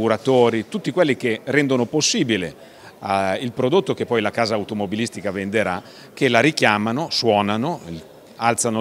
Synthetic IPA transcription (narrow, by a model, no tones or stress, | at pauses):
uɾat̪oːɾit̪ut̪ːikwelːikerɛnd̪onoposːiːbilḛ | ilpɾod̪ot̪ːokepːɔjlakaːzaːuwt̪omobilist̪ikavend̪eɾa | kelaɾikjaːmanoswɔːnano | alt̪sano